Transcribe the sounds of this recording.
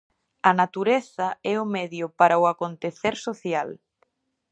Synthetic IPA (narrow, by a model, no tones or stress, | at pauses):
ɐnat̪uɾeθɐɛʊmɛðjʊpaɾaʊakont̪eθeɾsoθjal